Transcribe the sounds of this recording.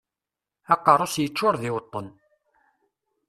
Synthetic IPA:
ɑqːɑrˤosjət͡ʃːʊɾˤðɪwət̪ˤːən

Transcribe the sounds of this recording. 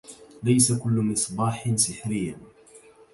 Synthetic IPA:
lajsakʊlːmɪsˤbɑːħnsɪħɾɪjːan

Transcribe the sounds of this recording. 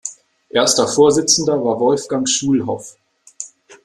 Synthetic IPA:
ʔeːɐstɐfoːɐzɪt͡sn̩dɐvaːɐvɔlfɡ̥aŋʃuːlɦɔf

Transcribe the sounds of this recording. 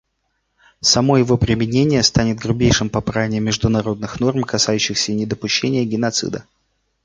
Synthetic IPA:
sɐmo̞jɪvo̞pɾʲɪmʲɪnʲenʲɪjəst̪anʲɪt̪̚ɡɾʊbʲejʂɨmpɐpɾavʲnʲɪmʲɪʐd̪ʊnɐɾo̞d̪nɨxno̞rmkɐsajʉɕːɪxsʲənʲɪd̪əpʊɕːenʲɪjəɡʲɪn̪ɐt̪sɨ̰d̪ə

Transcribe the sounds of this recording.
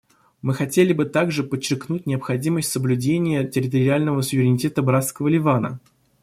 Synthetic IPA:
mɨxɐtʲelʲɪbɨt̪aɡʐɨpət͡ɕːɪrknut̚ʲnʲɪəpxɐdʲiməsʲtʲsəblʲʉdʲenʲɪjətʲɪɾʲɪt̪əɾʲɪalʲnəvəsʊvʲɪɾʲɪnʲɪtʲe̞t̪əbɾat̪skəvəlʲɪvanə̰

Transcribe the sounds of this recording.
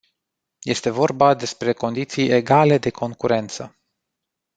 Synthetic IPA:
je̞st̪e̞vo̞rbad̪e̞spɾe̞ko̞nd̪it̪sijʔe̞ɡale̞d̪e̞kʰo̞ŋkuɾe̞nt̪sə̰

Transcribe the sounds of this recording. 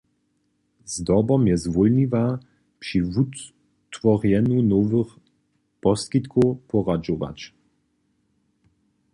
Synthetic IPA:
zd̪ɔbɔmjɛzvɔlɲiva | pʂivut̪ | tːvɔʁjɛnunɔvɨx | pɔskit̪kʰɔwpʰɔʁad͡ʒɔva̰t͡ɕ

